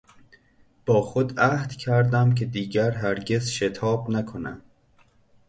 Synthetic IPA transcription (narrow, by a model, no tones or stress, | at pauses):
b̥ɒːxod̪æhd̪̥cʰæɾd̪æmcʰe̞d̪iːɟæɾɦæɾɟe̞zʃet̪ʰɒːbnækʰonæ̰m